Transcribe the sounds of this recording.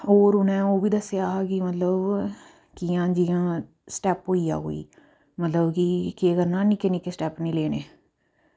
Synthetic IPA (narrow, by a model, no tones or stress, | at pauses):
oːɾʊnɛ̃ːoːʋiːd̪əsjaːkimət̪ləb | kɪjãːd͡ʒiãː | sʈɛːpɦoːiːa̰ːɦo̰ːḭː | mət̪ləbkɪkeːkəɾnãːnikenikesʈɛːpnĩːleːnḛː